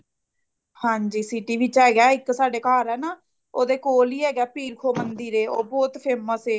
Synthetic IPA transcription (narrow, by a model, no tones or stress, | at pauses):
hãːɲd͡ʒiːsiːʈiːʋɪt͡ʃɛːɡɛːɪksaːɖeːkaːɾɛːnaː | oːd̪eːkoːliːɛːɡɛːpiːɾkʰoːmənd̪iːɾeːo̰ːbɔːt̪pʰeːməseː